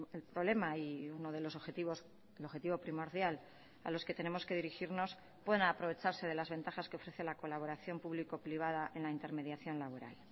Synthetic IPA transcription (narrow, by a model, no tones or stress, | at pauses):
elpɾoβle̞maiuno̞ð̞e̞lo̞soet̪iβos | eloxe̞t̪iβo̞pɾimo̞ɾðjal | a̰lo̞ske̞t̪e̞ne̞mo̞ske̞ð̞iɾixiɾno̞s | pwe̞ðenapɾo̞βe̞t͡ʃaɾse̞ð̞e̞lazβe̞nt̪axaskeo̞fɾe̞θe̞lako̞laβ̞o̞ɾaθjo̞mpuβlikopɾiβ̞að̞aʔe̞nlaint̪e̞ɾme̞ðjaθjo̞nlaβo̞ɾa̰l